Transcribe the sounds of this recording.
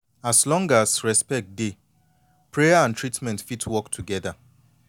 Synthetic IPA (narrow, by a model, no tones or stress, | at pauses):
aslɔ̃ŋɡasɹɛspɛk̚t̚de | pʰɹejaãntʰɹitmɛ̃ntfitwɔktʰuɡɛða